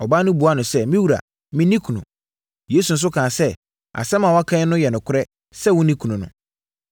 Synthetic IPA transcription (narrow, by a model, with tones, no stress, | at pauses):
ɔ˨ba˦nʊ̃˦bu˨˦a˦nʊ̃˨sɛ˦mĩ˦wu˨ɾa̰˨ | mɪ̃˦nĩ˦kʰu˨nṵ̃˨ | jeː˨˦s̬u˨n̩˦s̬ʊ˦kʰãː˨sɛ˦ | a̰˨sɛ̃˦mã˨wɔ˦a˦kʰã˦nʊ̃˦jɛ˨nʊ̃˨kʰʊ˦ɾɛ˦ | sɛ˦wʊ̃˦nĩ˦kʰũ˨nũ˨nʊ̰̃˨